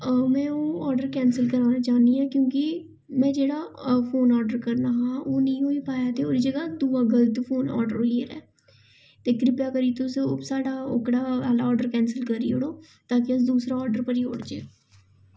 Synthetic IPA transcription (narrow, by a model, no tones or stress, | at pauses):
mɛ̃ːoːɔːɾɖəɾkɛːnsəlkəɾaːnaːt͡ʃaːniːɛːkjõːkɪ | mɛ̃ːd͡ʒeːɽaːpʰoːnɔːɾɖəɾkəɾnaːɦãːoːnĩːɦoːiːpaːjaːt̪eːoːɾiːd͡ʒəɡaːd̪uːaːɡələt̪fʰoːnɔ̰ːɾɖəɾiːəɾɛ̰ː | t̪eːkɾɪpjaːkəɾiːt̪oseoːsaːɖaːokɽaːaːlaːɔːɖəɾkɛːnsəlkəɾːḭːɦoɽoː | t̪aːkɪəsd̪uːsɾaːɔːɾɖəɾpəɾiːo̰ːɽd͡ʒeːo